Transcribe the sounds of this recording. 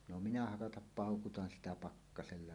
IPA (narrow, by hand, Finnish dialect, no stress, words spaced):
no minæ hɑkɑtɑp pɑˑokutɑn sitæ pɑkːɑselːɑ